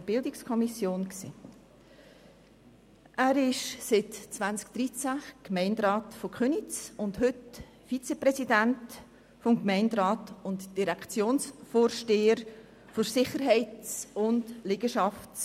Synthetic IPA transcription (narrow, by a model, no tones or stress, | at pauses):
b̥ɪldɪkskʰɔmisjoːnksiː | ʔæːɾɪʃsɪtt͡svant͡sk̚d̥ɾit͡sækmɛɪndɾɑːtfokχønit͡sʊntɦʏt | fit͡sɛpɾɛsidænt | fɔmkmɛɪndɾɑːtʊntd̥iɾɛkt͡sjoːnsfoːɾʃteːəɾ | foɾsɪχəɾɦɛɪtt͡sʊndleɡ̥əʃɑft͡s